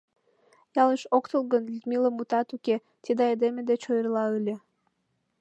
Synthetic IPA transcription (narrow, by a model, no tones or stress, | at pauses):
jɑləʃokt̪əlˠɣənlit̪miləmut̪ɑt̪uke | t̪ʲid̪ɑed̪emed̪et͡ɕojərlɑɯlʲe